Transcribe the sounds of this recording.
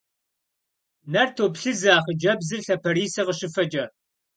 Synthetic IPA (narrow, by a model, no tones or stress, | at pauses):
nɐrtʰoːpɬɨzaːχəd͡ʒɐbzɨɬɐpʰɐɾiːsɐʁəɕɪfɐd͡ʒʼɐ